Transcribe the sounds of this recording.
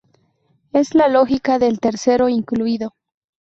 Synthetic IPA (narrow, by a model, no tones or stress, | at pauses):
e̞zlalo̞xikaðelt̪e̞ɾse̞ɾo̞iŋkluiðo̞